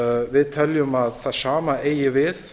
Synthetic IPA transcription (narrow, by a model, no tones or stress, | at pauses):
vɪðt̪ʰɛljʏmaðθasaːmaejɪvɪð